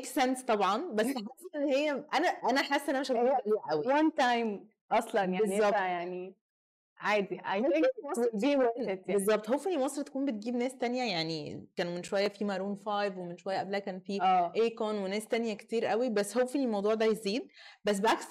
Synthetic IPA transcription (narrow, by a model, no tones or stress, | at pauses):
ksænst̪ˤɑbʕɑnbæsːħasʔenːhejːæʔænæʔænæħasːʔenːæmeʃæbliːʔæwiwant̪ajm | ʔɑsˤlɑnjabezˤːɑbjaʕni | ʕaːd̪iʔajeɑsdiːet̪bezˤːɑbt̪ˤhowfenːimɑsˤɾt̪æ̥kuːmbet̪̚ɡiːbnæːst̪ænjæjaʕnikæːnmenʃowæjːæfimæɾuːnfɑjvwemenʃowæjːæʔæblæækæːnfiːæːʔekonwenæːst̪ænjækt̪iːɾʔæwibæsːhowfenːimɑwd̪ˤuːʕd̪æjeziːd̪̚bæs̬beʔaks